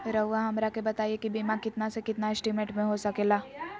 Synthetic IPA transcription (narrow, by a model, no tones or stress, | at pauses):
ɾɐɦuaɦɐmɾakebɐt̪aːiekibiːmakɪt̪nasekɪt̪naɪsʈimẽɳʈmẽɦosɐkeːlaː